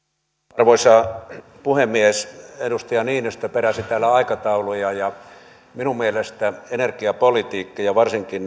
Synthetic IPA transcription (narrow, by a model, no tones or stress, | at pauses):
ɑrʋoisɑː | puhemːiesedust̪ɑjɑniːnist̪øpeɾæsit̪æːlːæɑikɑt̪ɑulujɑjɑ | minummielest̪æenerkiɑpolit̪iːkːɑjɑʋɑrsiŋkin